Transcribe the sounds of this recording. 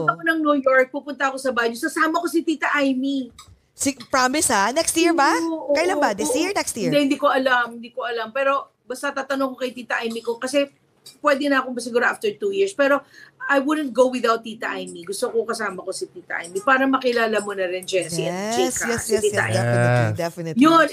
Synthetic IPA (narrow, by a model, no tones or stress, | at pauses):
p̪ɐkonɐŋnujoɹk̚pupʊnt̪ɐɐko̞sɐbaɲʊskɐsaːmɐko̞sɪt̪iːt̪ɐʔajmi | sipɹamɪshanɛkst̪iɹbaoʔokːɐjlanbad̪ɪsiɹnɛkst̪id̪ɛhɪnd̪iːkoʔɐlamhɪnd̪iːkoʔɐlɐmpɛːɾo̞ | bɐst̪ɐt̪aːt̪ɐnoŋkokɐjt̪iːt̪ɐʔajmiko̞kɐsɛ | pwɛd̪ɪnɐɐkombɐs̬ɪɡuːɾɐʔaft̪ɛɹt̪uːjiɹspɛːɾo̞ajwud̪nt̪̚ɡowwɪðawt̪ːiːt̪ɐʔajmiɡʊst̪okoŋkɐsaːmɐkosɪt̪iːt̪ɐʔa̰jmipaːɾɐmɐkɪlaːlɐmonɐɾɪnd͡ʒɛnsiʔɛnd͡ʒikɐɛsɪt̪iːɐ̰ʔa̰jɛd̪ɛfjon